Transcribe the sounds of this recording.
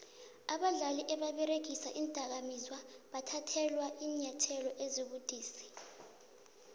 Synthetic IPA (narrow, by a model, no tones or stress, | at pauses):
aɓaɮaliʔɛɓaɓɛɾeɡʱisaʔiːnd̥ʼʱak̬amizwaɓatʰatʰɛlwaʔiːɲatʰɛlɔʔeziɓud̥ʱiːsi̥